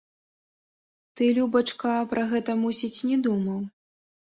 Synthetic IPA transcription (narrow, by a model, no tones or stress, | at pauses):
t̪ɨlʲubɐt͡ʂkɐpɾʔɐɣɛt̪ɐmusʲit͡sʲnʲɛd̪umɐw